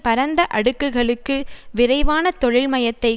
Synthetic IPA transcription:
pɐɾɐnd̪ɐʔɐɽɯkːɯɣɐɭɯkːɯʋɪɾɐɪʋaːnɐt̪ɔɻɪlmɐjɐt̪ːɐɪ

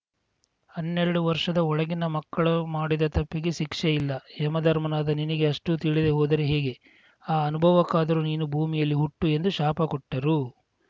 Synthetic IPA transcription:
hɐnːɛɾɐɽuʋɐɾʂɐd̪ɐɔɭɐɡinɐmɐkːɐɭumaːɽid̪ɐt̪ɐpːiɡe̞ʃikʂejilːɐɛmɐd̪ʱɐɾmɐnaːd̪ɐninɐɡe̞ɐʂʈut̪iɭid̪eɦoːd̪ɐɾeɦeːɡe̞ | aːɐnubʱɐʋɐkːaːd̪ɐɾuniːnubʱuːmijɐlːiɦuʈːue̞nd̪uʃaːpɐkɔʈːɐɾu

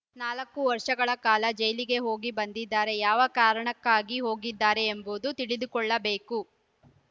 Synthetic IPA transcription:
naːlɐkːuʋɐɾʂɐɡɐɭɐkaːlɐd͡ʒɐjliɡe̞ɦo̞ːɡibɐnd̪id̪ːaːɾe̞jaːʋɐkaːɾɐɳɐkːaːɡiɦo̞ːɡid̪ːaːɾe̞ːmbud̪ut̪iɽid̪ukɔɭːɐbe̞ːku

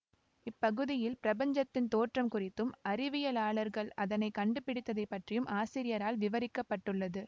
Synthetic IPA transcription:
ɪpːɐɣɯðɪjɪlpɪɾɐbɐɲd͡ʒɐt̪ːɪnt̪oːʈrɐmkʊrɪt̪ːɯmɐɾɪʋɪjɐlaːɭɐɾɣɐɭɐðɐnɐɪkɐɳɖɯpːɪɽɪt̪ːɐðɐɪpːɐʈrɪjɯmʔaːsɪɾɪjɐɾaːlʋɪʋɐɾɪkːɐpːɐʈːɯɭːɐðɯ

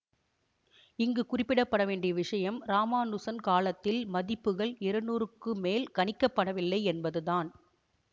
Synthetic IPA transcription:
ɪŋɡɯkʊrɪpːɪɽɐpːɐɽɐʋeːɳɖɪjɐʋɪʂɐjɐmɾaːmaːnʊsɐnkaːlɐt̪ːɪlmɐðɪpːɯɣɐɭɪɾɯnuːɾɯkːɯmeːlkɐnɪkːɐpːɐɽɐʋɪlːɐɪɛnbɐðɯðaːn

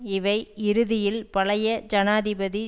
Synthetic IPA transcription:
ɪʋɐɪɪɾɯðɪjɪlpɐlɐjɐd͡ʒɐnaːðɪbɐði

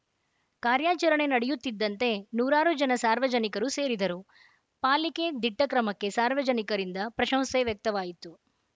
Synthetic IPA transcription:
kaːɾjaːt͡ʃɐɾɐɳe̞nɐɽɛjut̪ːid̪ːɐnt̪e̞nuːɾaːɾud͡ʒɐnɐsaːɾʋɐd͡ʒɐnikɐɾuse̞ːɾid̪ɐɾu | paːlike̞d̪iʈːɐkɾɐmɐkːe̞saːɾʋɐd͡ʒɐnikɐɾind̪ɐpɾɐʃɐmseʋjɐk̚t̪ɐʋaːjit̪ːu

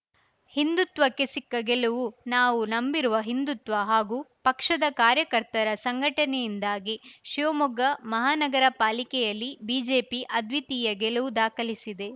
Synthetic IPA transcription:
hind̪ut̪ʋɐkːesikːɐɡɛluʋunaːʋunɐmbiɾuʋɐɦind̪ut̪ʋɐɦaːɡupɐkʂɐd̪ɐkaːɾjɐkɐɾt̪ɐɾɐsɐŋɡʱɐʈɐnɛjind̪aːɡiʃiʋɐmɔɡɐmɐɦaːnɐɡɐɾɐpaːlikɛjɐlːibiːd͡ʒe̞ːpiʔɐd̪ʱʋit̪iːjɐɡɛluʋud̪aːkɐlisid̪e̞

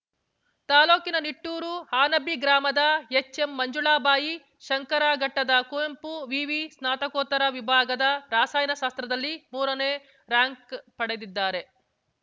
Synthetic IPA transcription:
t̪aːloːkinɐniʈːuːɾuhaːnɐbiɡɾaːmɐd̪ɐet͡ʃːe̞mːɐɲd͡ʒuɭaːbaːji | ʃɐŋkɐɾaːɡɐʈːɐd̪ɐkujɐmpuʋiːʋisnaːt̪ɐkoːt̪ːɐɾɐʋibʱaːɡɐd̪ɐɾaːsaːjnɐʃaːst̪ɾɐd̪ɐlːimuːɾɐneː | ɾaːŋkpɐɽed̪id̪ːaːɾe̞

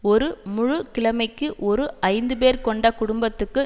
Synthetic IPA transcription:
ɔɾɯmʊɻʊkɪɭɐmɐɪkːɯʔɔɾɯɐɪnd̪ɯp̬eːɾkɔɳɖɐkʊɽʊmbɐt̪ːɯkːɯ

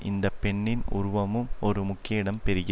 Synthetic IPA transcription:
ʔɪ̰nd̪ɐpːɛɳːɪnʊ̰ɾʊʋɐmɯmɔɾɯmʊkːjɐɽɐmpɛɾɪɣɪ

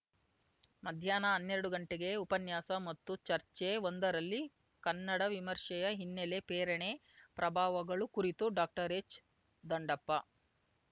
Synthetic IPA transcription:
mɐd̪ʱjaːnɐɐnːeɾɐɽuɡɐɳʈeɡe̞upɐnjaːsɐmɐt̪ːut͡ʃɐɾt͡ʃeond̪ɐɾɐlːi | kɐnːɐɽɐʋimɐɾʂɛjɐɦinːelepeːɾɐɳepɾʔɐbʱaːʋɐɡɐɭukuɾit̪uɖaːk̚ʈɐɾet͡ʃ | d̪ɐɳɖɐpːɐ

